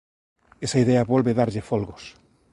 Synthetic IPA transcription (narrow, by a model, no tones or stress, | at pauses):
esɐiðeɐβolβeðaɾʎɪfolɣos